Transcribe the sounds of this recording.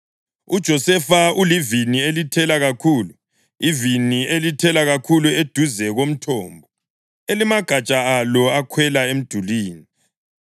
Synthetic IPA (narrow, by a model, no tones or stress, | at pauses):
ud̥ʒ̥ʱɔsɛfaulivinielitʰɛlaɣakʰuːlu | ivinielitʰɛlaɣakʰulued̥ʱuzɛɣom̩tʰɔːmbʱɔ | elimaɡ̥ʱat͡ʃʼaalɔakʰwɛlaem̩d̥ʱuliːni